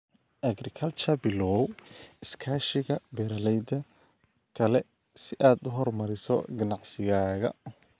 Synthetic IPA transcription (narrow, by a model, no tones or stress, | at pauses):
ʔɐɡɾɪkʰɐlt͡ʃɐbɪlɔwɪskʰaːʃɪɣɐbɛɾɐlɛjd̪ɐ | kʰɐlɛ | sɪʔaːd̪ʊɦɔrmɐɾɪsɔ̰ɡɐnɑʕsɪɣaːɣɐ̰